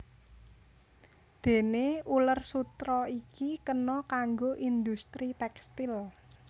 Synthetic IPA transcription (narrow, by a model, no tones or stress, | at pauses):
d̪̥e̤neulərsut̪ɾɔikikənɔkaŋɡoʔind̪ust̪ɾit̪ɛkst̪ɪl